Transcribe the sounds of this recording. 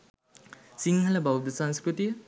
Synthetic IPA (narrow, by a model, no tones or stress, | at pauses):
siŋhɐlɐbawd̪ɐsanskɾuti